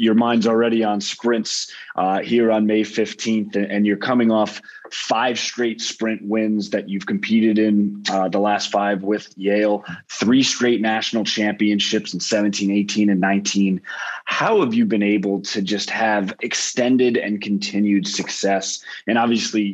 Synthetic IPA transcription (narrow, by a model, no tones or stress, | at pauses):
jə˞mãɪ̃ndzl̩ˠɹɛɾiə̃nspɹɪ̃ntsʔhiɹə̃nmeɪfɪftʰĩnθɨ̃njə˞kʰʌmɪ̃ŋɔf | faɪv̥stɹ̥eɪtspɹɪ̃nʔwɪ̃nzðɨt͡ʃʉv̥kʰm̩pʰiɾɨɾɪ̃nðəlæstfaɪvwɪð̥jeɪlˠθɹistɹ̥eɪtⁿnæʃn̩l̩ˠt͡ʃʰæ̃mpiɨ̃nʃɪpsn̩sɛvɨ̃ntʰĩneɪtʰĩnɨ̃nːãɪ̃ntʰĩnhaʊəvjɨbɨ̃neɪbl̩ˠtʰɨd͡ʒʌst̚hɨvɨkstɛ̃ndɪɾɨ̰̃nkʰɨ̃n̩tʰɪ̃njʉd̥sɨksɛsɨ̃ɾ̃ɑbviɨsli